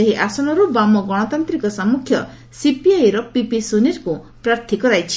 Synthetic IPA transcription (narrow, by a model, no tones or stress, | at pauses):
eɦiʔasɔñɔɾubamɔɡɔɽ̃ɔt̪ant̪ɾikɔsamukʰjɔ̰ | sipiajɾɔpipisuniɾku | pɾaɾt̪ʰikɔɾajt͡ʃʰi̥